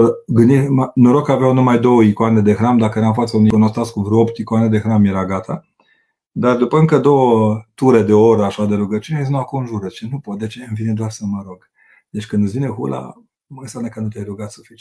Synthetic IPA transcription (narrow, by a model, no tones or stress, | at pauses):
ɡɨnd̪imnoɾoɡkaveawnumajd̪o̞wəikoane̞d̪e̞xɾamd̪akəjeɾamfat̪səunejkunost̪at̪sʲkuvɾoopt̪ikoaned̪e̞xɾamjeɾaɡat̪ʰa | d̪ard̪upəɨŋkəd̪o̞wət̪uɾe̞d̪e̞oɾəaʃad̪e̞ɾuɡət͡ʃiuneesnaako̞nʒuɾət͡ʃenupot̪̚d̪et͡ʃenvined̪oarsəməɾo̞ɡ̥ | d̪̥e̞t͡ʃʲkɨnd̪ɨsvineɦṵla̰ | məɨnsamnəkənut̪eajɾuɡat̪sufit͡ʃ